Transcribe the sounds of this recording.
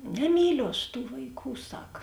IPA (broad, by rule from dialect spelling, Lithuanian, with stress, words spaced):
nʲɛˈmʲiːlʲʊ ɐʃ tuː ʋɐɪˈkuː ˈsɐk